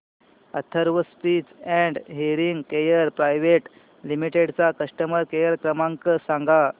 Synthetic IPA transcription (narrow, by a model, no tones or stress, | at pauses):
ə̰t̪ʰəɾʋəspit͡sɛ̃ɳɖɦiɾiŋɡkejəɾpɾajʋeʈ | limiʈeɽt͡sakəʂʈəməɾkejəɾkɾəmaŋkəsãŋɡa